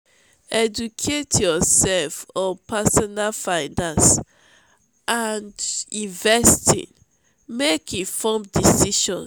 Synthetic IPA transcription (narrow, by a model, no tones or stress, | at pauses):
ɛd͡ʒukʰetʰjɔsɛlfɔ̃pʰasɔnalfãɪndãns | ʔandĩnvɛstʰḭ̃n | mekʰifɔmdisiʃɔ̰̃n